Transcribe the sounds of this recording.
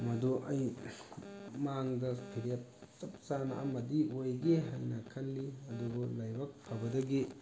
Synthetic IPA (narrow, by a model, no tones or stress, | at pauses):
mɐduʔɐj | maŋdɐpʰiɾijap̚sɐp̚t͡ʃana̰ʔa̰mɐdiojɡeɦajnɐkʰɐnːiɐdubɐlajbɐk̚pʰɐbɐdɐɡi